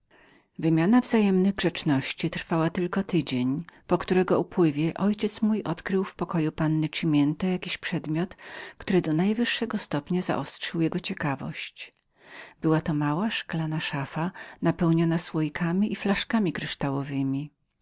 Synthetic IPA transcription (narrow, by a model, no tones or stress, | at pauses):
vɘmʲjanavzajɛmnɘɣɡʐɛt͡ʂnɔɕt͡ɕit̪ɾfawat̪ɘlkɔt̪ɘd͡ʑeɲpɔkt̪uɾɛɡɔupwɘvʲjɛʔɔjt͡ɕɛt̪smujʔɔt̪kɾɘwfpɔkɔjupanːɘt͡ʂimʲjɛnt̪ɛjakʲiɕpʂɛd̪mʲjɔt̪kt̪uɾɘd̪ɔnajvɘʂːɛɡɔst̪ɔpɲaza̰ʔɔstʂɘwjɛɡɔt͡ɕɛkavɔ̰ɕt͡ɕ | b̥ɘwat̪ɔmawaʂklanaʂafanapɛwɲɔnaswɔjikʰamʲiʔiflaʂkamʲikɾɘʂt̪awɔvɘmʲi